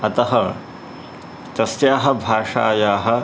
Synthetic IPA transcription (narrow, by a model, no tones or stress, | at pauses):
ɐt̪ɐɦɐ | t̪ɐsjaːɦɐ̆bʱaːʂa̰ːjaːɦɐ̆